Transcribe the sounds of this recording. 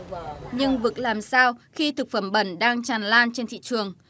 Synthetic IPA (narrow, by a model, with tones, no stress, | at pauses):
ɲɨ˧ŋvɨ˨˩k̚laː˨˩msaː˧wxi˧t̪ʰɨ˨˩k̚fə˧˩mɓə˧˩nɗaː˧ŋt͡ɕaː˨˩nlaː˧nt͡ɕe˧nt̪ḭ˧˨t͡ɕɨ˨˩əŋ